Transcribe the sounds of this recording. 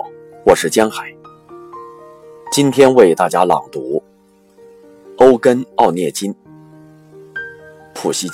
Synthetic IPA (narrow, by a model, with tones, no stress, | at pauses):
wɔ˨˩ʂɻ̩˥˩t͡ɕjɑ˥ŋxa˨˩˦ɪ | t͡ɕi˥nt̪ʰjɛ˥nwe˥˧ɪt̪a˥˩t͡ɕja˥lɑ̰˨˩ŋt̪u˧˥ | o˥ʊkə˥nɑ˥˧ʊnjɛ˥˩t͡ɕi˥n | pʰu˨˩ɕi˥